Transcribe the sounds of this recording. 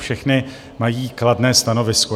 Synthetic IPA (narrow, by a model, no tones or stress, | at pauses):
fʃɛxnɪ | majiːkladnɛːst̪ano̞vɪsko